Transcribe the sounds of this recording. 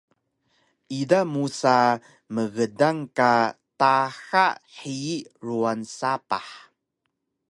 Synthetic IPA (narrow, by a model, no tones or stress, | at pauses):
idamusa | məɣədaŋkataxaʔħiiʔɾuansapa̰ħ